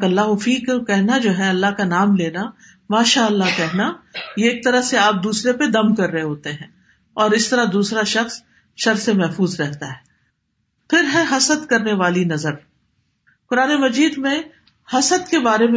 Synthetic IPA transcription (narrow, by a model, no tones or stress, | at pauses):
kɐlːaːɦʊfiːkkɛɦnad͡ʒoːɦɛɐlːaɦkanaːmleːna | maːʃaːəlːakɛɦnajeeːk̚t̪ɐɾaɦseaːp̚d̪uːsɾeped̪ɐmkɐɾːɐɦeɦoːt̪eɦɛ̃ː | ɔːɾɪst̪ɐɾad̪uːsɾaʃɐxs | ʃɐɾsemɛɦfuːzɾɛɦt̪aɦɛː | pʰɪɾɦɛ̃ɦɐsəd̪kɐɾneʋaːlinɐzəɾ | kʊɾaːnemɐd͡ʒiːd̪mẽ | hɐsəd̪kebaːɾemẽ